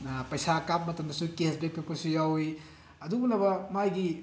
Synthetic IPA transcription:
pɐjsakap̚mɐtɐmdɐsukesbek̚pekosujawi | ɐdubɐlabɐmajɡi

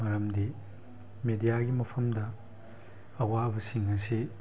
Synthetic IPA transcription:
mɐɾɐmdi | medijaɡimɐpʰɐmdɐː | waɐbɐsiŋɐsi

